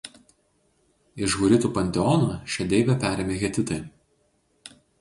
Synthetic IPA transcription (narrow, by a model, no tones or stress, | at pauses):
ɪʃɣʊɾʲɪt̪uːpɐnʲt̪ʲɛɔnɐʃʲɛd̪ʲɛɪbʲɛpʲæːɾʲeːmʲeːɣʲɛt̪ʲɪt̪ɐɪ